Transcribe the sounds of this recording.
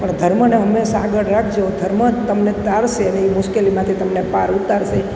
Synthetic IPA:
pəɳd̪ʱəɾməneɦəmːeʃaɡəɽɾakʰd͡ʒeod̪ʱəɾmət̪əmnet̪aɾʃeəneimʊʃkelimãt̪ʰit̪əmnepaɾut̪aɾʃe

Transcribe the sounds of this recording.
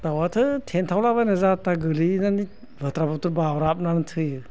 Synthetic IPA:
tawatʰɯtʰentʰawlaβajnazataɡɯlinani | bʱɯtɾabɔtuɾbawɾap̚nantʰɯjɯ

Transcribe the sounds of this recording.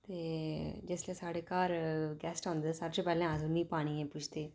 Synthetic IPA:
t̪eːd͡ʒɪslẽːsaːɽeːkaːɾɡɛːsʈãːnd̪ɛːsəɾt͡ʃoːpɛːlɛ̃ːãːs̬ʊnĩːpaːɽ̃iːɛ̃ːpʊt͡ʃʰt̪eː

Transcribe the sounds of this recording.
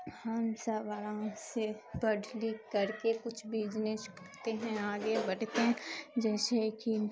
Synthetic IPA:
hɐmsɐʋaɾãsebɐɖʱlikɐɾkekʊt͡ʃʰbʱiːd͡ʒnəʃkɐɾt̪eɦɛ̃aːɡebɐɽt̪eɦɛ̃d͡ʒɛːseki

